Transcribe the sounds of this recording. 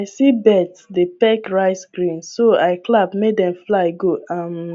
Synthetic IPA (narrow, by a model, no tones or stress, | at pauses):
aɪsibɛtsdepɛkɹaɪskɹĩnssoaɪklabmedɛ̃mflaɪɡoãm